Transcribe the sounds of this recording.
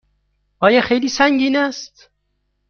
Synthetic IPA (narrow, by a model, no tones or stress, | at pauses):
ʔɒːjɒxejliːsæŋɟiːnæst̪